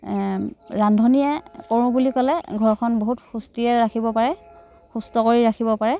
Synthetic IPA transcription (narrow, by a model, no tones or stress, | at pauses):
ɹandʱɔnijɛkɔɹũbulikɔlɛɡʱɔɹɔkʰɔnboɦutxustiɛɹakʰibɔpaɹɛ | xustɔkoɹiɹakʰibɔpaɹɛ